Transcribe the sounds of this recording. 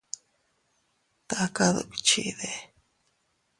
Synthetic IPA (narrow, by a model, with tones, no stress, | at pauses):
t̪a˦ka˦ðṵ˨bi̥˨t͡ʃḭ˦ʔðe˦